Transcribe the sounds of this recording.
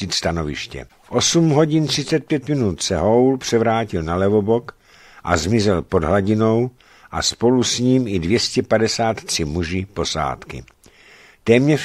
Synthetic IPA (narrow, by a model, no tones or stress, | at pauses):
ɪt̪st̪ano̞vɪ̰ʃcɛ̰fʔo̞sumɦo̞ɟɪnt̪r̝̥ɪt͡sɛt̪̚pjɛt̪mɪnut̪sɛɦowlpr̥ɛvɾaːcɪlnalɛvo̞bo̞k | ʔa̰zmɪzɛlpo̞dɦlaɟɪno̞w | ʔa̰spo̞lusɲiːmɪdvjɛscɛpadɛsaːt̪t̪r̝̥ɪmuʒɪpo̞sa̰ːt̪kɪ̰ | t̪ɛːmɲɛ